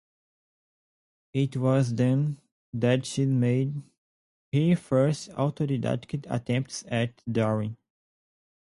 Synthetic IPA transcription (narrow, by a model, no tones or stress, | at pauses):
ɪtwɔzdɛ̃n | d̪ætʃimed̚ | hifɜ˞sta̰ʊtodida̰tkəta̰tʰɛ̃mp̚tsɛtdaɹĩ